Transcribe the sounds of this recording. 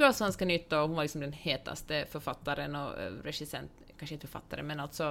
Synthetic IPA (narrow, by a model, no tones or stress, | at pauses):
ɡalsɔhanskɑnʏt̪ːaɔhʊnʋaɾlɪksɔmd̪ɛnheːt̪ʰa̰st̪əfœɾfat̪ːaɾənɔ̰ɾɛʂɪsɛ̰nt̪ | kʰanʂəɪnt̪əfœɾfa̰t̪ːaɾə̰mɛnalt̪sɔ